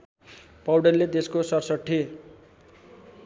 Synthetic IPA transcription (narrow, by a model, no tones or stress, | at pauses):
pʌwɽʌlːed̪eskosʌrsʌʈʰːe